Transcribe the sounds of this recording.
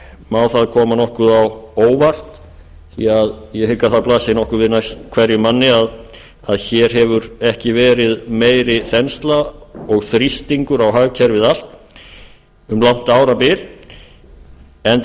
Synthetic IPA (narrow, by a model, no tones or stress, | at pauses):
maːwθaðkʰɔːmanɔhkʏðawoːwvar̥t̪ | θiaðjɛhɪkːaθaplaːsɪnɔhkʏɾvɪðnajst̪kʰv̥ɛɾjʏmanːɪað | aðçɛɾ̥ɦɛvʏɾɛhcɪvɛːɾɪðmeːjɾɪθɛnst̪laɔɣθɾist̪iŋkʏɾawɦaɣcʰɛɾvɪðal̥t̪ | ʏmlawn̥t̪aːwɾapɪɾ | ɛn